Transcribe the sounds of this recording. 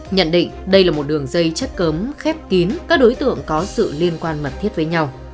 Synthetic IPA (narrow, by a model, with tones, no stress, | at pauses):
ɲə̰˧˨nɗḭ̈˧˨ŋ̟ɗə˧jlaː˨˩mo˨˩t̚ɗɨ˨˩əŋzə˧jt͡ɕə˦˥t̚kə˨˦mxɛ˦˥p̚ki˨˦nkaː˦˥k̚ɗo˨˦jt̪ɨ̰˧˨əŋkɔ˨˦sɨ̰˧˨li˧ənkwaː˧nmə˨˩t̚t̪ʰi˦˥ət̚vəː˨˦jɲa˧w